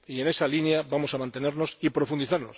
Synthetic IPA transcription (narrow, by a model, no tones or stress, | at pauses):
ie̞ne̞salinjabamo̞samãnt̪e̞ne̞ɾno̞sipɾo̞fund̪iθaɾno̞̰s